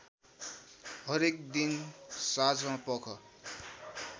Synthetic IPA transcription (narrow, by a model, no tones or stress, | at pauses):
ɦʌɾekd̪insad͡zmãpʌkʰʌ